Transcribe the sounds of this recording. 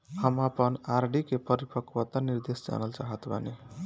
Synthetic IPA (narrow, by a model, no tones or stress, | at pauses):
hamapʌnaɾɖikepʌɾipʌkwʌt̪aniɾd̪est͡ʃa̰nʌlt͡sa̰ɦʌt̪ʰbʱʌ̰ne